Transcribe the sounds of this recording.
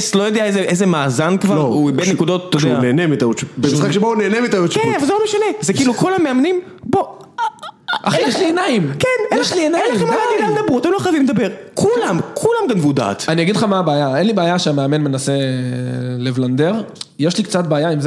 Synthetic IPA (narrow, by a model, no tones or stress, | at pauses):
slojod̪eaezeʔezemaːzankvalʁoubetnekud̪ot̪t̪ːodeuaneːnemit̪ajot͡ʃbemisχakʃebouneːnemit̪ajoʃkenavalzelomeʃanezekiːlukulameamnim | bo | ʔaχejeʃlienaimkenjjeʃlienaiemaemed̪ɐbʁuat̪emloχajavimled̪abeʁkʰulamkʰulamɡanvud̪a̰ːt̪anijaɡidχamaːbeːjaenlibeaːjaʃeameame̞nmenase̞ | levland̪eʁjeʃlikt͡sat̪̚beajaimz